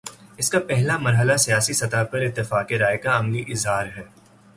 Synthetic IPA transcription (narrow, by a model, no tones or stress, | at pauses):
ɪskapɛɦlamɐɾɦəlasijaːsisɐt̪apɐɾɪt̪ːɪfaːkeɾaːɪkaɐmliʔɪzɦaːɾɦɛː